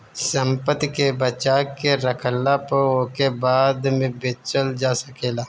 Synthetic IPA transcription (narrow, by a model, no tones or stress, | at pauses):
səmpət̪kebət͡ʃaːkeɾəkʰəlːapəokebaːd̪mẽbet͡ʃəld͡ʒaːsəkeːlaː